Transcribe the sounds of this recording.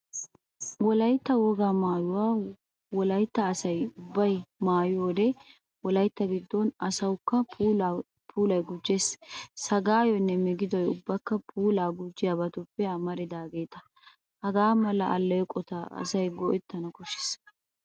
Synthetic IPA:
wɔlɐjt̪ːɐwɔɡaːmaːjʊwaː | wɔlɐjt̪ːɐːsɐjʊbːɐjmaːjʊwɔːd̪ɛ | wɔlɐjt̪ːɐɡɪd̪ːɔnɐsɐwkːɐ | pʰuːlɐjɡʊd͡ʒːessɐɡaːjɔɪnːɛmɪɡɪd̪ɔjʊbːɐkːɐpʰuːlaːɡʊd͡ʒːɪjabɐt̪ʊpːɛɐmɐɾɪd̪aːɡe̞ːt̪ɐ | hɐɡaːmɐlɐʔɐlːɛjɔkʼɔt̪ɐɐ̰sɐjɡɔʔɛt̪ːɐnɐkɔʃɪ̥s

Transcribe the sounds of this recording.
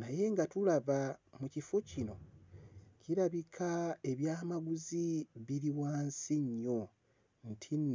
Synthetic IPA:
naje̞ŋɡatulaβamucifocino̞ | ciɾaβikʰae̞βjaːmaɡuziβiɾiwaːnsiɲːo | ntʰin

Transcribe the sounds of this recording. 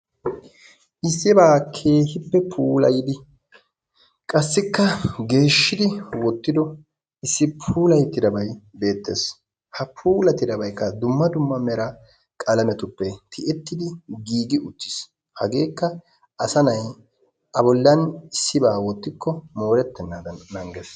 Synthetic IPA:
ʔɪsːɪbaːkʰe̞ːhɪpːɛpʰuːlɐjɪd̪ɪ | kʼɐsːɪkːɐɡe̞ːʃːɪd̪ɪwɔt̪ːɪd̪ɔ | ɪsːɪpʰuːlɐjt̪ːɪd̪ɐbɐjbe̞ːt̪ːe̞̰ːs | hɐpʰuːlɐt̪ːɪd̪ɐbɐjkːɐd̪ʊmːɐd̪ʊmːɐmɛɾɐ | kʼɐlɐmɛt̪ʊpːɛt̪ʰɪʔɛt̪ːɪd̪ɪɡiːɡɪʔʊt̪ːɪ̥s | hɐɡe̞ːkːɐ | ʔɐsɐnɐj | ɐbɔlːɐnɪsːɪbaːwɔt̪ːɪkːɔmo̞ːɾɛt̪ːɛnːaːd̪ɐnːɐŋɡes

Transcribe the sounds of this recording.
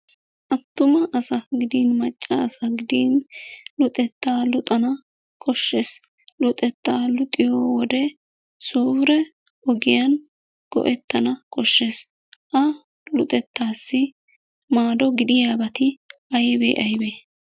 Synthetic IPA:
ʔɐt̪ːʊmɐʔːsɐɡɪd̪iːnmɐt͡ʃʼːɐːsɐɡɪd̪iːnlʊt̪ʼɛt̪ːaːlʊt̪ʼɐnɐ | kʰʼɔʃːeːs | lʊt̪ʼɛt̪ːaːlʊt̪ʼɪjoːwɔd̪ɛ | suːfɾɛ | ɔɡɪjɐn | ɡ̥ɔ̰ʔɛt̪ːɐnɐkʼɔʃːe̞ːs | ʔɐ | lʊt̪ʼɛt̪ːaːsːɪ | maːd̪ɔɡɪd̪ɪjaːbɐt̪ɪʔɐjbḛːʔɐjbeː

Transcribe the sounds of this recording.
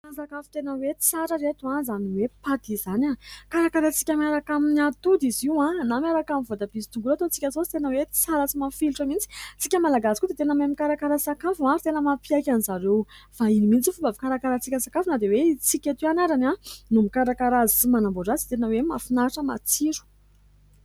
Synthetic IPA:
asakafu̥t̪enəwe̥t͡saɾəɾet̪uãzaniwepat̪izanakaɾakaɾat͡si̥kʲamiaɾakaminiat̪ud̪iziwãnamiaɾakaminvod̪abisi̥t̪uŋɡulat̪ot͡si̥kʲazoi̥t̪enəwe̥t͡saɾət͡simafilʈ͡ʂəmint͡si̥t͡sikʲəmalaɡazikud̪et̪enəmemikaɾakaɾəsakafuãɾit̪enəmapiakʲanizaɾewfainimint͡sifubavikaɾakaɾat͡sikʲəsakafunad̪ewet͡sikʲat̪uanaɾananumikaɾakaɾazit͡simanamboɖ͡ʐazi̥t̪enəwemafinaɾaʈ͡ʂəma̰t͡siɾu̥

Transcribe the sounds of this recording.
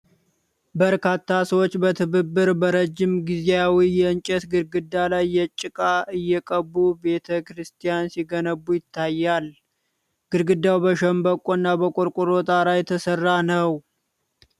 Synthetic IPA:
bəɾkat̪ʰːasəwot͡ʃːbət̪ʰɨβɨbːɨɾbəɾəd͡ʒːɪmɡizejawijɛɨnt͡ʃʼɛt̪ɡɨɾɡɨd̪ːalajːɛt͡ʃʼːɪkʼaʔɨjːɛkʼəbːube̞t̪ʰəkɾɨst̪ʰijansiɡənəbːujɪt̪ʰːajːal | ɡ̥ɨɾɡɨd̪ːawbəʃəmbəkʼonːabəkʼoɾkʼʊɾot̪ʼaɾajɛt̪ʰəsərːanəw

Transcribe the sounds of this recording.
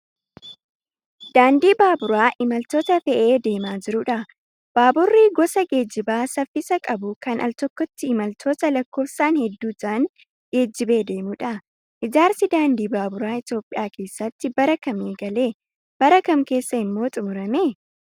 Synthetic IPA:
d̪̥aːnd̪iːbaːbʊɾaːʔɪmɐlt̪oːt̪ɐfɛʔe̞ːd̪e̞ːmaːd͡ʒɪɾʊᶑɐ | b̥aːbʊrːiɡɔsɐɡe̞ːd͡ʒːɪbaːsɐfːɪsɐkʼɐbʊkɐnʔɐ̰lt̪ɔkːɔt̪ːɪːmɐlt̪ʰo̞ːt̪ɐlɐkːo̞ːfsaːnhɛd̪ːuːt̪aːnŋ | ɡe̞ːd͡ʒːɪbe̞ːd̪e̞ːmʊᶑɐ | ʔɪd͡ʒaːɾsɪd̪aːnd̪iːbaːbʊɾaːɪt̪jo̞ːpʼːɪjaːkʰe̞ːsːɐt̪ːɪbɐɾɐkɐmeːɡɐle̞ː | b̥ɐɾɐkɐmke̞ːsːɐɪmːo̞ːt̪ʼʊmʊɾɐmeː

